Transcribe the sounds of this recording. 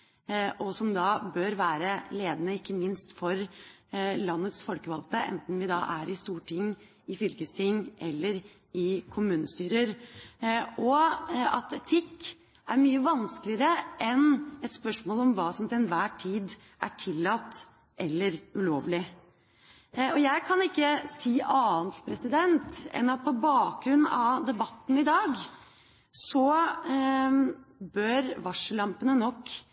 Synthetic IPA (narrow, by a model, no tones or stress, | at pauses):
ʔɔsɔmd̪ɑbøːɾʋæːɾəleːd̪ənəɪkːəmɪnst̪fɔɾ | lɑnːət̪sfɔlkəʋɑlt̪əʔɛ̰nt̪n̩ʋɪd̪ɑ̰ʔæɾɪst̪uːʈʰɪŋː | ɪfʏlkəst̪ʰɪŋːʔɛlːəɾ | ɪkʰʊmʉːnəst̪yːɾəɾ | ɔɑt̪ɛt̪ʰɪkː | æɾmyːəʋɑnsklɪəɾəʔɛnɛt̪spœʂmoːlɔmʋɑːsɔmt̪ʰɪlɛnʋæːʈʰiːd̪ | ʔæ̰ʈʰɪlːɑt̪ː | ʔɛlːəɾʉloːʋlɪ | ɔjæɪkʰɑnɪkːəsiːʔɑːnt̪pʰɾɛsɪd̪ɛnt̪ɛ̰nɑt̪̚pʰɔbɑːk̚ɡɾʉnːɑd̪ɛbɑt̪ːn̩ɪd̪ɑːɡ | sɔ | bœɾʋɑʂəlɑmpənənɔkː